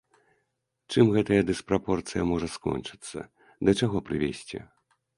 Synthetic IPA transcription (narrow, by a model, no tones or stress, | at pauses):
t͡ʂɨmɣɛt̪ɐjɐd̪ɨspɾapɔrt̪sɨjɐmɔʐɐskɔ̰nt͡ʂɨ̥t̪sːɐ̰ | d̪ɐt͡ʂaɣɔpɾɨvʲḛsʲt͡sʲḭ